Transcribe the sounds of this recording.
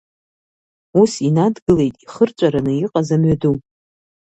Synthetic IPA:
usinadɡɨle̞jtʼiχərt͡ʃʷʼaɾanɨiqʼazamɥadu

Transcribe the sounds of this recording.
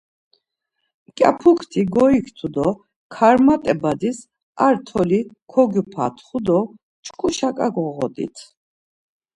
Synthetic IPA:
kʼa̰pʰukʰt̪ʰiɡɔikʰt̪ʰud̪ɔ | kʰaɾmat̪ʼɛbad̪is | aɾt̪ʰɔlikʰɔɡupʰa̰t̪ʰχud̪ɔ | t͡ʃʰʼkʼuʃakʼaɡɔʁɔ̰d̪ḭt̪ʰ

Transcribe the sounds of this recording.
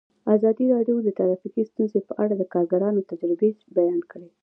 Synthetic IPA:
azɑd̪iɾɑɖjod̪ət̪aɾɑfikist̪unzepəʔaɽad̪əkɑɾɡaɾɑnot̪ad͡ʒɾɪbebajɑnkəɽe

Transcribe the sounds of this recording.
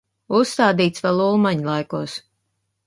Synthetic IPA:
ust̪aːd̪iːt̪svɛlˠulˠmaɲlˠajkuɔs

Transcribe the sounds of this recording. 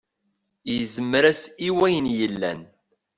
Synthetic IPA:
jəzəmːɾæsiwæjənjəlːæ̰n

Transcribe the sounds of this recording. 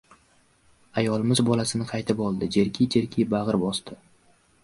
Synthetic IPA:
ajɒlˠɪmɪzbɒlasɪnɪqʰɑjt̪ʰɪpɒlˠd̪ɪd͡ʒe̞ɾkʲʰid͡ʒeɾkʲʰijbaʁɨɾbɒst̪ʰɪ

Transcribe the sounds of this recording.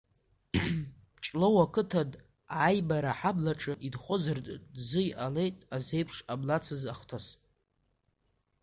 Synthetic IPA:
ʈ͡ʂʼlowakʰɨtʰad | ʕajbaɾaħablaʈ͡ʂʼɨʔidχʷʊzɨrtʼzɨjʔale̞jtʼaze̞jpʰʂablat͡sʰɨzaχtʰas

